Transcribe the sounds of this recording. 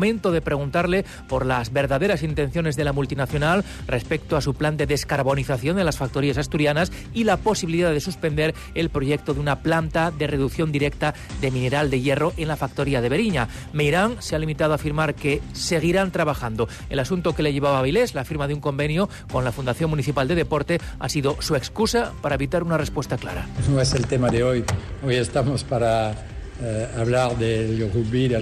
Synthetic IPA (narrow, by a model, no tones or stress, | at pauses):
mẽ̞nt̪o̞ð̞e̞pɾe̞ɣ̞unt̪aɾle̞ | po̞ɾlazβe̞ɾðaðe̞ɾasint̪e̞n̟θjo̞ne̞zðe̞lamult̪inaθjo̞nal | re̞spe̞k̚t̪oasupland̪e̞ðe̞skaɾβo̞niθaθjo̞nd̪e̞lasfak̚t̪o̞ɾiasast̪uɾjanas | ilapo̞siβiliðaðe̞suspe̞nd̪e̞ɾ | e̞lpɾo̞ʝe̞k̚t̪o̞ðunaplant̪aðere̞ðukθjo̞nd̪iɾe̞k̚t̪a | ðe̞mĩne̞ɾald̪e̞je̞ro̞ʔe̞nlafakt̪o̞ɾiaðe̞βe̞ɾiɲa | mejɾaŋsealimit̪aðoafiɾmaɾke̞se̞ɣ̞iɾant̪ɾaβaxand̪o̞ | e̞lasunt̪o̞ke̞leʝe̞βaβaβile̞zlafiɾmaðeuŋko̞mbenjo | ko̞nlafund̪aθjo̞ŋmuniθipald̪e̞ð̞e̞po̞ɾt̪e̞a̰siðo̞sue̞kskusapaɾaeβit̪aɾunare̞spwe̞st̪akla̰ɾa̰noeselt̪emaðeojojest̪amospaɾa | aβlaɾðelɡoɣubiɾ